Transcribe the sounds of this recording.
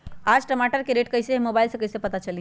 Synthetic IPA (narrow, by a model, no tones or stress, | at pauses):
ad͡ʒʈəmaʈəɾkeɾeʈkəɦsemobailsẽkəɦɪsepət̪at͡ʃəli